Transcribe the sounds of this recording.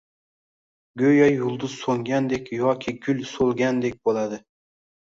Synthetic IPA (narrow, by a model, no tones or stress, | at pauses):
ɡʲɵjɑjulˠd̪ʊz̥soŋɡʲand̪ekʲjɒkʲʰɪɡʲʊlsolˠɡʲand̪ek̚ʲbolˠad̪ɪ